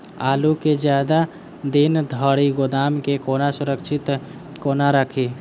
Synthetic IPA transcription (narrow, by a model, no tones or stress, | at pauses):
aːluked͡ʒjaːd̪a | d̪ind̪ʱəɽiɡod̪aːmkekoːnasʊɾəkʃʰɪt̪ | koːnaɾəkʰi